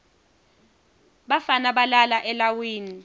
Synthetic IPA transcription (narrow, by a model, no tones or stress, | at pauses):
ɓafanaɓalalaʔɛlawiːni